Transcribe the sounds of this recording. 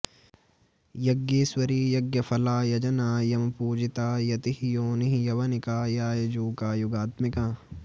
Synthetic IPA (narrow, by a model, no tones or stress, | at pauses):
jɐɡjeːswɐɾiːjɐɡjɐfɐlaːjɐd͡ʒɐnaːjɐmɐpuːd͡ʒit̪aːjɐt̪ihjoːniɦjɐʋɐnikaːjaːjɐd͡ʒuːkaːjuɡaːt̪mikãː